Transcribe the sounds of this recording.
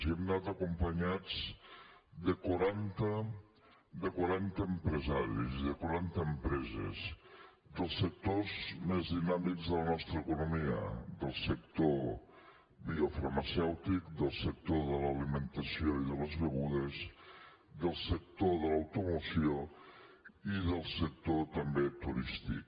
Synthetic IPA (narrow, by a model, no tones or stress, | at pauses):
ziɛmnat̪əkumpəɲad͡z | d̪əkuɾant̪ə | d̪əkwaɾant̪əːmpɾəzaɾḭziðəkwaɾant̪əːmpɾɛzə̰z | ðəlˠsːək̚t̪ozmezðinamikzðələnɔst̪ɾəːkunumiə̰ðəlˠsəkt̪o | βiofəɾməsɛwt̪ikd̪əlˠsək̚t̪oðələlimənt̪əsioiðələzβəɣuð̞əz | ðəlˠsək̚t̪oðələwt̪umusio | iðəlˠsək̚t̪ot̪əmbet̪uɾist̪ḭk